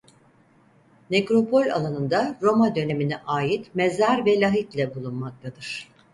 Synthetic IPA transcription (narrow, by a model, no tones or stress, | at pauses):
nekɾo̞po̞lʲa̰lˠanɯnd̪aɾo̞mad̪ø̞ne̞miniʔaːjit̪mezaɾvɛlʲaɦit̪lʲɛbulˠunmak̚t̪ʰad̪ɯɾ̝̥